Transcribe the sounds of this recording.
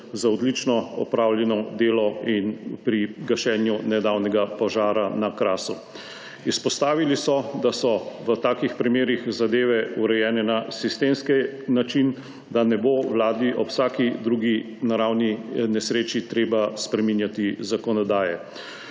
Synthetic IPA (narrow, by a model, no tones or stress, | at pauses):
zaɔd̪lit͡ʃnɔɔ̰pɾawljɛnɔd̪eːlɔinpɾiɡaʃɛːnjunɛd̪aːwnɛɡapɔʒaːɾanakɾaːsu | ispɔst̪aːʋilisɔd̪asɔʋət̪aːkixpɾimeːɾixzad̪eːʋɛuɾɛjɛːnɛnasist̪eːmskɛnat͡ʃin | d̪anɛbowlaːd̪iʔɔpsaːkid̪ɾuɡi | naɾawninɛsɾeːt͡ʃit̪ɾeːbaspɾɛminjat̪izakɔnɔd̪aːjɛ̰